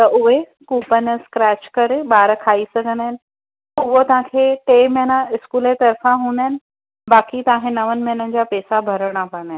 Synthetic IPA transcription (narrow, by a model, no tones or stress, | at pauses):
t̪ɐʔʊɦe | kuːpənəskɾɛːʃkɐɾeɓaːɾkʰaːisɐɡʱə̃nd̪aːɦɪnɪ̆ | tt̪ɐʊɦot̪ɐʋ̤ãkʰeːʈeːmɪɦnəɪskuːlet̪ɐɾfãɦũːnd̪aɦɪnɪ̆ | baːkit̪ɐãːɦẽnɐʋən̆mɐɦnənɪ̆d͡ʑaːpɛːsabʱɐɾəɽ̃apɐ̃nd̪aɦɪ